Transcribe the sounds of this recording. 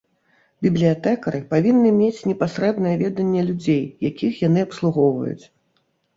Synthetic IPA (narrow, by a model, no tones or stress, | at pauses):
bʲiblʲijat̪ɛkɐɾɨpavʲinːɨmʲet͡sʲnʲɛpasɾɛbnɐjɛvʲɛd̪ɐnʲːɛlʲud͡zʲejjakʲixjanɨɐpslˠuɣɔwvɐ̰jṵt͡sʲ